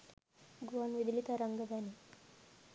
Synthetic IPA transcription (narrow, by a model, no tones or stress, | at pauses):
ɡuʋanʋid̪lit̪aɾəŋɡəd̪ʱani